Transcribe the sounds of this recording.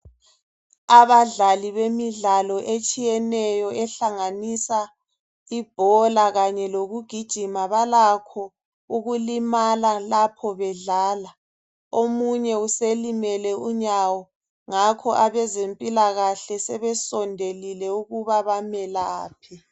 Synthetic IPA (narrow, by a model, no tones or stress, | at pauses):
aβaɮaliβemiɮalɔʔet͡ʃʼijɛnɛjɔɛɬaŋanisa | ib̥ʱɔlaɣaɲɛloɣuɡ̥ʱid̥ʒ̥ʱimaβalakʰɔ | uɣulimalalapʰɔβɛɮaːla | omuɲɛuselimɛlɛuɲawɔ | ŋakʰɔʔaβɛzempʼilaɣaɬɛsɛβɛsɔndʱelilɛuɣuβaβamɛlaːpʰi